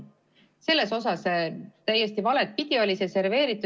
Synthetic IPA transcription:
se̞lːe̞so̞sɑst̪æje̞st̪ivɑle̞t̪̚pid̪̥io̞lʲisese̞ɾve̞ːɾit̪ːˑu

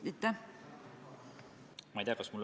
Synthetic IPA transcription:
it̪ːæ | mɑjt̪ʲjɑkɑsmulː

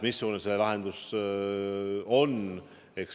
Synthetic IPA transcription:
misːjoːneselːelɑɦe̞nd̪̥us | o̞n | eks

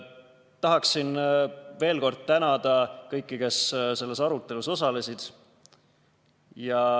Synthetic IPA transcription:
t̪ɑɦɑksinve̞ːlko̞rd̪̥̚t̪ænɑd̪̥ɑkɤjkːike̞sse̞lːe̞sɑɾut̪ˑːe̞luso̞sɑle̞sid̪̥ | jɑ

